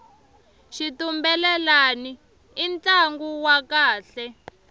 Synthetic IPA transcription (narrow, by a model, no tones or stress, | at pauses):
ʃitumbɛlɛlaniː | nt͡ɬaŋɡuwakaːɬɛ